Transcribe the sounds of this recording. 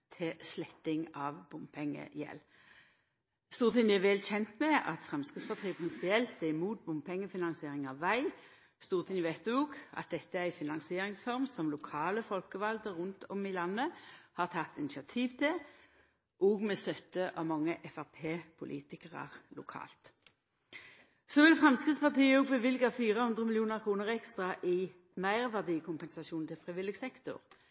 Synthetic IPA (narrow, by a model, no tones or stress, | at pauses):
t̪ʰɪslɛt̪ːɪŋɑʋbʊmpʰɛŋːə̰jɛ̰l | st̪uːʁt̪ʰɪŋd̪ɪɛʋɛlçɛnt̪mɛɑ̰t̪fʁɛmskɪspʰɑʁt̪ʰʁiːəpʰʁɪnspɪɛlt̪ːɛɪmuːt̪̚bʊmpʰɛŋːəfɪnɑnsɪeːʁɪŋɑʋʋæɪ | st̪uːʁt̪ʰɪnʋæɪt̪oːɡɑ̰t̪̚d̪ɛt̪ːəæʁæɪfɪnɑŋsɪeːʁɪŋsfɔʁmsɔmlʊkʰɑːləfɔlkəʋɑld̪əʁʉnt̪ʰɔmɪlɑnːəhɑʁt̪ʰɑt̪ːɪnɪsɑt̪ʰiːʋt̪ʰɪ | ʔoːɡmɛst̪œt̪ːəʔɑʋmɑŋːəʔɛfæʁpʰeːpʰʊlʔḭːt̪ɪkəʁə̰ʁlʊ̰kʰɑ̰ːlt̪ | soːʋɪlfʁɑmskʁɪt̪spɑʁt̪ʰiːəɔːɡbəʋɪlɡɑfiːʁəhʉnd̪ʁəmɪlɪuːnəʁkʰʁuːnəʁɛkst̪ʁɑʔɪ | mæɪʁʋæʁd̪iːəkʰʊmpɛnsɑʃuːnnt̪ʰɪlfʁɪʋɪlɪɡsɛkt̪ʊ̰ʁ